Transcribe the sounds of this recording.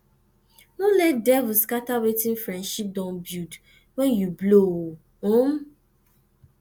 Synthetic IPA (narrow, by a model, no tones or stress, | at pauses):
nɔ̃lɛt̚dɛvʊskatawetĩnfɾɛ̃ndʃip̚dãnbjud | wɛ̃njublo | õm